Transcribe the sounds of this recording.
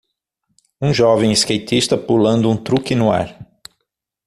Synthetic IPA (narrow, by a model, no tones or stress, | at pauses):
ũʒɔvẽj̃ɪskejt̪ist̪ɐpulɐ̃nd̪ʊũt̪ɾukɪnʊa̰ɾ